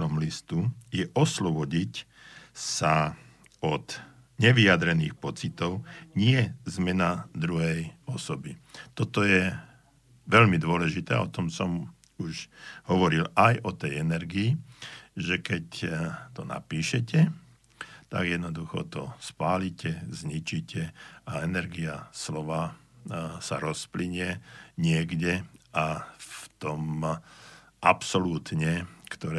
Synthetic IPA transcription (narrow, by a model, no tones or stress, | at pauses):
ɔmlist̪ujɛʔɔslɔbɔɟic | sa | ɔt̪ | ɲɛʋijad̪ɾɛnḭːxpɔt͡sit̪ɔʊɲɪɛzmɛnad̪ɾuɦɛjɔsɔbit̪ɔt̪ɔjɛ | ʋɛʎmid̪ʊɔlɛʒit̪ɛːa̰ɔt̪ɔmsɔm | uʒɦɔʋɔɾilajʔɔt̪ɛjɛnɛɾɡiiʒɛkɛct̪ɔna̰piːʃɛcɛ | t̪a̰ɡjɛd̪nɔd̪uxɔ̰t̪ɔ̰spaːlicɛzɲit͡ʃicɛaɛnɛɾɡiaslɔʋa | saɾɔspliɲɪɛɲɪɛɡɟɛaft̪ɔm | ʔapsɔluːt̪ɲɛkt̪ɔɾɛ